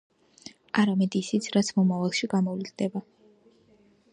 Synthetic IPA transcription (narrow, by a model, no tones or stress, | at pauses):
aɾamɛd̪isit̪sʰɾat̪sʰmɔmavalˠʃiɡamɔvlid̪d̪ɛba